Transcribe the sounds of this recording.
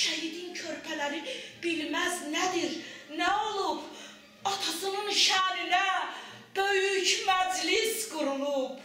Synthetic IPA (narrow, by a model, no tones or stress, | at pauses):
ʃæɦid̪incʰøɾpʰælæɾib̥ilmæznæd̪iɾnæolˠub | ɑt̪ʰɑsɯnɯnʃæɾinæ | b̥øjycmæd͡ʒlisɡuɾulˠup